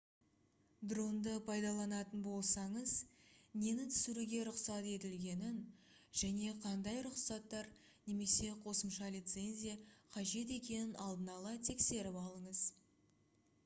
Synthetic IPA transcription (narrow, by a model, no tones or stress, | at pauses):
d̪ro̞nd̪əpʰɑjd̪ɑlˠɑnɑt̪ənbo̞lˠsɑɴəzne̞nɪt̪ʰʏ̥sɪɾuɡʲe̞ɾʊqsɑt̪e̞t̪ɪlɡʲe̞nɪnʒ̥æne̞qʰɑnd̪ɑjɾʊqsɑt̪ːɑɾ | ne̞me̞se̞qʰo̞səmʃɑlʲijt̪se̞nʲzʲijaqʰɑʒe̞t̪̬e̞kʲe̞nɪnɑlˠd̪ənɑlˠɑt̪ʰe̞kse̞ɾɪpɑlˠəɴəz